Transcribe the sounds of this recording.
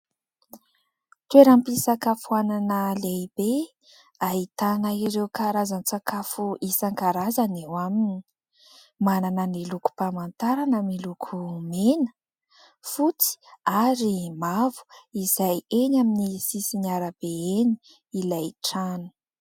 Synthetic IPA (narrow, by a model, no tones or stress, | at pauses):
t̪weɾampisakafuananəleb̥e | aɦit̪anaiɾewkaɾazanit͡sakafuʔisaŋkaɾazanewamini | mananəniluku̥pamant̪aɾanamilukʰumenə̥ | fut͡si̥aɾimavu̥izajeɲaminisisinaɾəb̥eeni | ilajʈ͡ʂanu̥